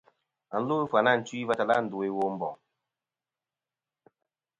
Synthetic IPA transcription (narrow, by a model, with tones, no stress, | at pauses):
a˨n̩˦lu˦fwa˨na˦˨n̩˨twi˦va˦ta˨la˦n̩˨du˨e˦wo˦m̩˦bɔ˨